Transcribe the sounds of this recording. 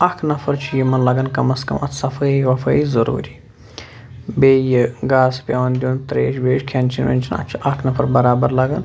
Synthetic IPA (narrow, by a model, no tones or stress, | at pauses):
ɐkʰnɐfɐɾt͡ʃʰijimɐnlɐɡɐnkɐmɐskɐ̰mɐ̰t̪sɐfɐiʋɐfɐizɐɾṵːɾiː | beːjiɡaːspʲɐʋɐnd̪ʲuːnt̪ɾḛːʃbeːʃkʰɐnt͡ʃʰinʋḛnʲt͡ʃʰinɐ̰t͡ʃʰiʔɐkʰnɐfʰɐɾbɐɾaːbɐɾlɐɡɐn